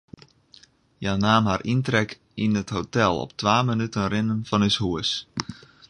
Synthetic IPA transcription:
janaːmɦarʔintrɛk | inətɦotɛlˠɔ̰p̚tʋaːmənytənrɪnənfɔnəshuəs

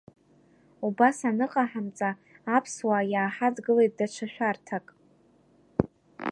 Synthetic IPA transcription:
ubasanɨqʼaħamt͡sʼaːpʰswajaːħad͡zɡɨle̞jt̚ʼdat͡ʃʷʰaʃʷᶣartʰakʼ

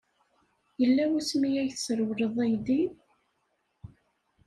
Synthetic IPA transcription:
jəlːæwʊsmijæjθsəɾwɾəðˤæjd̪i

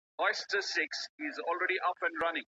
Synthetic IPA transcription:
ɔɪsʈəsɪksɪzɔːlɾɛɖiʔʌpɛ̃nɖɾʌnɪ̃ŋ

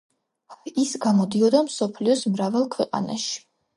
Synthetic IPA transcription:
isɡamɔd̪iɔd̪amsɔpʰliɔsmɾavalˠkʰwɛqʼa̰na̰ʃi̥

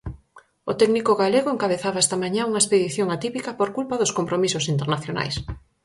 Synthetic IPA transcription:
ot̪ɛknikoɣaleɣoeŋkaβeθaβaɛst̪ɐmaɲãuŋɐespeðiθjoŋat̪ipikɐpoɾkulpaðʊskompɾomisʊsint̪eɾnaθjona̰js

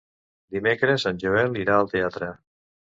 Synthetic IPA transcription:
d̪imekɾəzanʲʒuɛliɾaəlˠt̪eat̪ɾə

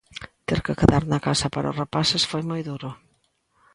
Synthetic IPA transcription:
t̪eɾkɪkeðaɾnɐkasɐpaɾo̰repasɪsfojmojðuɾʊ

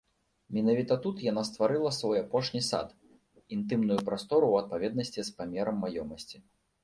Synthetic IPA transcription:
mʲinavʲit̪ɐt̪ut̪janast̪vaɾɨlˠɐsvɔjapɔʂnʲisa̰t̪ | int̪ɨmnujupɾast̪ɔɾuwɐt̪̚pavʲɛd̪nɐsʲt͡sʲispamʲɛɾɐmːajɔmɐsʲt͡sʲi

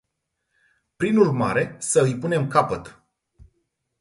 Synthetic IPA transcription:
pɾinurma̰ɾe̞səɨjpune̞mkapət̪

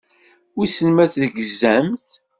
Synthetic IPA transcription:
wisənmæθðəɡəzːæmθ

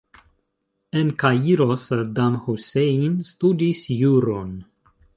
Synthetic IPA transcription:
enkajiɾosɾd̪amhuseinst̪ud̪isjuɾon

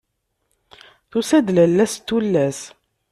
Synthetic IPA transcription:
θusæd̪lælːæst̪ːulːæs

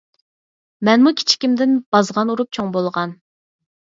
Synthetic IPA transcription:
mɛnmukʲʰi̥t͡ʃʰi̥kʲimd̪ɪnb̥ɑzʁɑnuɾup̚t͡ʃʰoŋbolˠʁɑn

